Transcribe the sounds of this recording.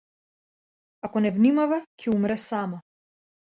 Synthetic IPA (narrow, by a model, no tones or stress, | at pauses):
akɔnɛvnimavɛcʰɛumɾɛsama